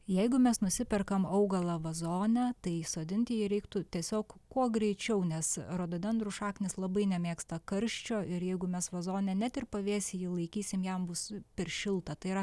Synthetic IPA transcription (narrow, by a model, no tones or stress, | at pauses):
jɛɪɡʊmʲɛsnʊsʲɪpʲɛrkɐmɐʊɡɐlˠɐʋɐzoːnʲæt̪ɐɪsoːd̪ʲɪnʲt̪ʲɪjiɾʲɛɪkt̪ʊt̪ʲiɛsʲoːkkuɔɡɾʲɛɪt͡ʃʲɛʊnʲɛsroːd̪oːbʲɛnd̪ɾʊʃɑːknʲɪslˠɐbɐɪnʲɛmʲeːkst̪ɐkɐɾʲʃʲt͡ʃʲoːʔɪɾjɛɪɡʊmʲɛsʋɐzoːnʲɛnʲæt̪ɪrpɐʋʲeːsʲjiːlˠɐɪkʲiːsʲɪmjɛmbʊspʲɛɾʃʲɪlˠt̪ɐt̪ɐɪiɾɐ